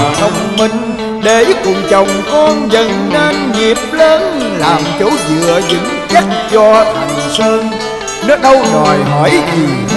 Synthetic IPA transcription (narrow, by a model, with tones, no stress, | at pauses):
t̪ʰə˧wŋ͡mmi˧ŋ̟ | ɗe˨˦kʊ˨˩ŋ͡mt͡ɕə˨˩wŋ͡mkɔ˧nzə˨˩nnaː˧nŋi˨˩əp̚le˧nlaː˨˩mt͡ɕo˨˦wzɨ̰˧˨əzɨ̰˨˦ŋtt͡ɕa˦˥˧nt͡ɕɔ˧t̪ʰə˨˩ŋsɨ˧ | nɔ˨˦ɗə˧wzɔ˨˩jɦɔ˧˨˦jzi˨˩